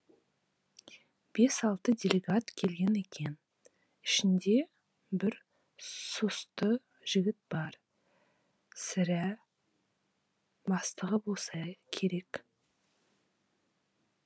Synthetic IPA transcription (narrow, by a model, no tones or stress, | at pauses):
b̥e̞sɑlˠt̪əd̪ʲe̞lʲeɡat̪kʲʰe̞lɡʲe̞ne̞kʲe̞n | ɪʃɪnd̪e̞ | bɪɾ | sost̪ə | ʒ̥ɪɡʲɪt̪̚bɑɾ | sɪɾæ | bɑst̪əʁəbolˠsɑkʲʰe̞ɾe̞k